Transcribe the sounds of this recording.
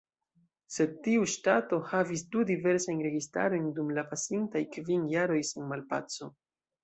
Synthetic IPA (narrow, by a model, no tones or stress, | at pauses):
se̞d̚tiuʃtato̞havisdudive̞ɾsajnɾe̞ɡista̰ɾo̞jndumlapasintajkvinjaɾo̞jsenmalpa̰t͡so̞